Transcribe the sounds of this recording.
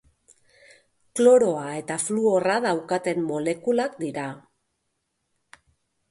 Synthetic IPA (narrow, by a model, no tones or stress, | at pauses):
klo̞ɾo̞ae̞t̪afluo̞raðawkat̪e̞mːo̞le̞kulakd̪iɾa